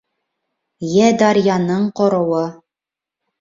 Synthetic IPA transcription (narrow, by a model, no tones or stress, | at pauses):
jæd̪ɑɾjɑnɤɴqŏɾɤ̆wɤ